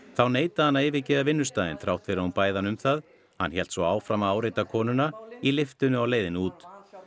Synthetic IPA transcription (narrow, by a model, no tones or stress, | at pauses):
θawneːjt̪aanːaeːvɪcɛːðavɪnːʏst̪aːjðɪnθɾawht̪fɪɾaunpaːjðanʏmθað | hanːçjɛlt̪svɔaːwfɾamaaːwɾejt̪akʰɔːnʏnailɪft̪ʏnʏawleːjðɪnuːt̪